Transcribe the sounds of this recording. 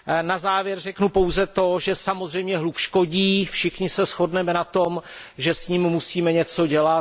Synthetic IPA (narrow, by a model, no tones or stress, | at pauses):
nazaːvjɛɾrɛknupo̞wzɛt̪o̞ʒɛsamozr̝ɛjmɲɛɦlukʃko̞ɟiːfʃɪxɲɪsɛsxo̞dnɛmɛnat̪o̞mʒɛsɲimmusiːmɛɲɛt͡so̞ɟɛla